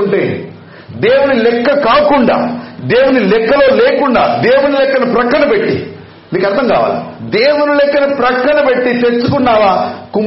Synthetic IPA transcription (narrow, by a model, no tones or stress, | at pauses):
ɳʈeː | d̪e̞ːwunilɛkːɐkaːkuɳɖa̰ːd̪e̞ːwunilɛkːɐlo̞ːleːkuɳɖa̰ːd̪eːwunilɛkːɐnɐpɾɐkɾɐɳɐpe̞ʈːḭ | niːkɐɾt̪ːɐŋkaːʋa̰ːlḭd̪eːwunilɛkːɐnɐpɾɐkɾɐɳɐpe̞ʈːit̪e̞t͡ʃːukunːaːʋaːkum